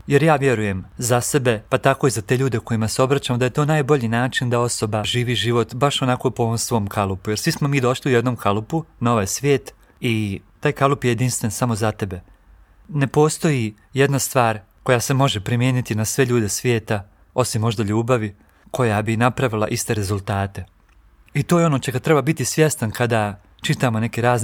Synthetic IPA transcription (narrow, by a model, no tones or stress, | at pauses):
je̞ɾjaːʋje̞ɾuje̞mzase̞be̞pat̪ako̞izat̪e̞ʎuːd̪eko̞jimaseo̞bɾat͡ɕamod̪aje̞t̪oːnaːjbo̞ʎiːnaːt͡ʃind̪ao̞so̞baʒiːʋiːʒiʋo̞t̪baʃo̞nako̞poʋomsʋo̞ːmkʰalˠupuje̞ɾsʋismo̞miːd̪o̞ʃliujed̪no̞mkʰalupunaoʋajsʋʲjeːt̪ | it̪aːjkalˠupjeje̞d̪inst̪ʋensamo̞zat̪e̞be̞ | ne̞po̞ːst̪o̞ji | jed̪nast̪ʋaːɾ | ko̞jase̞mo̞ʒepɾimje̞ːnit̪inasʋeʎuːd̪e̞sʋʲje̞ːt̪a | o̞simːo̞ʒd̪aʎuːbaʋi | kʰo̞jabinapɾaʋilˠa̰ʔist̪e̞ɾe̞zulˠt̪aːt̪e̞ | it̪o̞ːjeo̞no̞ːt͡ɕeɡat̪ɾe̞babit̪isʋje̞st̪ankʰad̪a | t͡ʃit̪aːmo̞ne̞keɾaːzn